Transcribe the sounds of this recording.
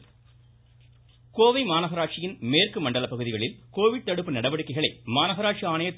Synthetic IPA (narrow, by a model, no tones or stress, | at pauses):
koːʋɐɪmaːnɐɣɐɾaːʈʂɪjɪnmeːrkɯmɐɳɖɐlɐpːɐɣɯðɪɣɐɭɪlkoːʋɪɽ̚t̪ɐɽɯpːɯnɐɽɐʋɐɽɯkːɐɪɣɐɭɐɪmaːnɐɣɐɾaːʈʂiaːɳɐjɐt̪ː